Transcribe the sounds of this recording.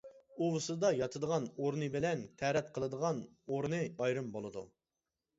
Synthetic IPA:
uwɨsɨd̪ɑjɑt̪ʰɨd̪əʁɑnoɾnɨbɪlɛnt̪ʰɛɾɛt̪̚qʰəlˠɨd̪əʁɑn | oɾnɨɑjɾɨmbolˠɨd̪u

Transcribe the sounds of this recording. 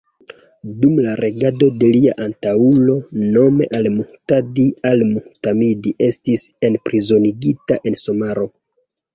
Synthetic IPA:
dumlaɾʔe̞ɡado̞de̞liaʔantaulo̞no̞me̞̰ʔalmuhtadialmuhtamidiʔe̞stise̞npɾizo̞niɡitaʔe̞nso̞maɾo̞

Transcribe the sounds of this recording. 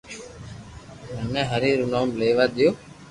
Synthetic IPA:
mənɛ̃ːɦəɾiːɾuːnoːmleːʋaːɗ̪ɪjoː

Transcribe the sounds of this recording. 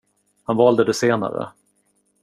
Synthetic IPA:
hanvɑːld̪əd̪ɛseːna̰ɾə̰

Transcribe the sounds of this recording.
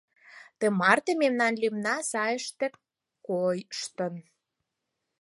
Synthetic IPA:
t̪emɑrt̪ememnɑnlimnɑsɑjəʃt̪ĕ | kojʃt̪ə̆n

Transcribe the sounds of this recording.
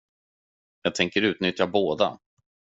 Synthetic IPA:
jɑːɡ̚t̪ʰɛŋkəɾʉ̟ːt̪nʏt̪jaboːd̪a̰

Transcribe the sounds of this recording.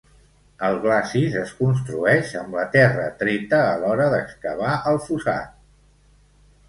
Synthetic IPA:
əlˠɣlasizəskuns̬t̪ɾuɛʃəmlət̪ɛrə̰t̪ɾet̪əːlɔɾəðəkskəβ̞aʔəlˠfusa̰t̪̚

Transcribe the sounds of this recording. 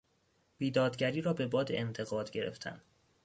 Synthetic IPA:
b̥iːd̪ɒːd̪ɟæɾiːɾɒːbe̞bɒːd̪ḛʔent̪ʰe̞ɣɒːd̪ɟe̞ɾe̞̰ft̪ʰæ̰n

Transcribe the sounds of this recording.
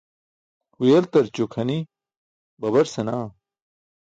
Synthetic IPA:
hujɐlt̪ɐɾt͡ɕokʰɐni | bɐβɐɾsɐnaː

